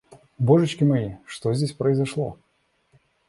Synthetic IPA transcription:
bɔʐɨt͡ɕkʲimɐjiʂt̪ɔzʲdʲesʲpɾɐizaʂlˠɔ̰

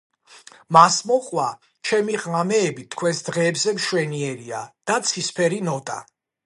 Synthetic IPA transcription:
masmɔχʼwa | t͡ʃʰɛmiʁamɛːbit̪ʰkʰwɛsd̪ʁɛːbzɛmʃwɛniɛɾiad̪̥at̪sʰispʰɛɾinɔt̪ʼa̰

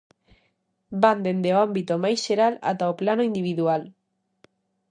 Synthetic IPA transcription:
band̪end̪eoambit̪omajsʃeɾala̰t̪aoplanoind̪iβiðual

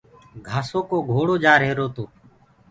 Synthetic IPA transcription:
ɡʱaːsoːkoːɡʱoːɽoːd͡ʒaːɾɦeːɾoːt̪oː

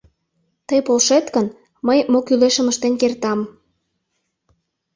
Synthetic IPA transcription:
t̪əjpolʃet̪kən | məjmokyleʃəməʃt̪enkert̪ɑm

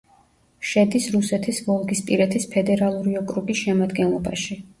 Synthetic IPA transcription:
ʃɛd̪isɾusɛt̪ʰisvɔlˠɡispʼiɾɛt̪ʰispʰɛd̪ɛɾalˠuɾiɔkʼɾubisʃɛmad̪ɡɛnlˠɔbaʃi

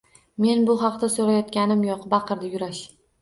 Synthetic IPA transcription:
me̞nbʊɦɑqd̪asoɾajɒt̪̚kʲanɪmjɒqbɑqʰɨɾd̪ajʊɾaʃ

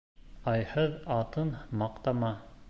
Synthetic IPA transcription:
ɑjhɤðɑt̪ɤnmɑqt̪ɑmɑ

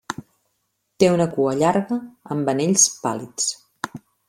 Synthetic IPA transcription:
t̪eunəkuəʎaɾɣəəmbəneʎspa̰lit͡s

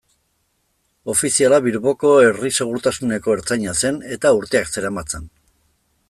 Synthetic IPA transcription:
o̞fisialaβiɾβo̞ko̞e̞rise̞ɣ̞uɾt̪asune̞ko̞eɾt͡sajɲase̞ne̞t̪auɾt̪e̞akse̞ɾamat͡sen

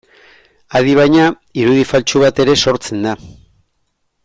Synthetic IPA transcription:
aðiβajɲa | iɾuðifalt͡ʃuβ̞at̪e̞ɾe̞so̞ɾt͡se̞nd̪a

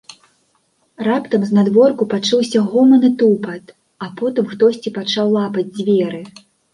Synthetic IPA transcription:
rapt̪ɐmznad̪vɔrkupat͡ʂɨwsʲɐɣɔmɐnɨt̪upɐt̪ | apɔt̪ɨmxt̪ɔsʲt͡sʲipat͡ʂawlˠapɐd͡zʲd͡zʲvʲɛɾɨ

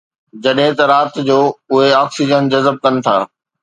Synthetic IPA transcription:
d͡ʑɐɗɦɪ̃t̪ɐɾaːt̪d͡ʑoːʊɦeaːksid͡ʑənd͡ʑɐzəb̚kɐnɪ̆t̪ʰaː

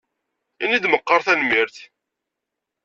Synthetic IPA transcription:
inid̪məqːɑɾˤθænmiɾθ

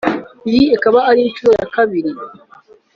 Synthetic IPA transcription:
jiekaβaaɾint͡ʃuɾoja̰kaβiɾi

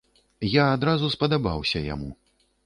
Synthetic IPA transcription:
jaːd̪ɾazuspɐd̪aba̰wsʲɐja̰mṵ

